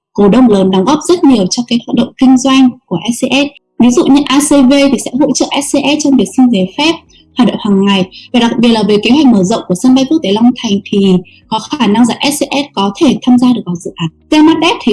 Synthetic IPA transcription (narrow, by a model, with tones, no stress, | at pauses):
ko˧˩ɗə˧wŋ͡mləː˨˦nɗa˨˦wŋ͡mɣɔ˦˥p̚zə˦˥t̚ɲi˨˩əwt͡ɕɔ˧kaː˨˦jhwaː˧˨˩ɗə̰˧˨ŋ͡mkï˧ŋ̟zwa˧jŋ̟ku˧˩əʔɛ˦˥se˧ʔɛ˦˥t̚ | vi˨˦zṵ˧˨ɲɨ˧ʔaː˧se˧ve˧t̪ʰi˨˩sɛ̰˧˥ɦo̰˧˥t͡ɕə̰ː˧˨ʔɛ˦˥t̚se˧ʔɛ˦˥t̚t͡ɕɔ˧ŋ͡mvi˨˩ək̚sï˧ŋ̟ze˨˩fɛ˦˥p̚ | hwaː˨˩nɗo̰˧˨ŋ͡mhwaː˨˩ŋŋːa˨˩jvaː˨˩ɗa˨˩k̚ɓi˨˩ət̚laː˨˩ve˨˩ke˨˦ɦwɛ˨˩k̚məː˧˩zə̰˧˨wŋ͡mku˧˩əsə˧nɓa˧jkk̚t̪e˧˩la˧wŋ͡mt̪ʰa˨˩jŋ̟t̪ʰi˨˩ | kɔ˨˦xaː˧˩na˧ŋzaː˧˩ʔɛ˦˥t̚se˧ʔɛ˦˥t̚kɔ˨˦t̪ʰe˧˩t̪ʰaː˧mzaː˧ɗɨ˨˩ək̚vaː˨˩zɨ̰˧˨ʔaː˨˦nze˧ma˦˥t̚ɗɛ˦˥p̚t̪ʰi˨˩